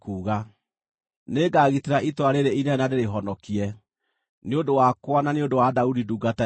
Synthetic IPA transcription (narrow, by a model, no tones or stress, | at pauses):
kuːɣa | neɡaːɣiteɾaʔitwaɾeɾeinɛnadeɾeɦɔnɔkiɛ | neodowakwananeodowadaudiduːɡata